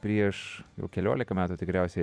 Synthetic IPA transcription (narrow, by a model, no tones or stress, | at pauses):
pʲɾʲiɛʃjɛ̰ʊkʲɛlʲṵːlʲɪkɐmʲæːt̪uːt̪ʲɪkɾʲɛʊsʲɛ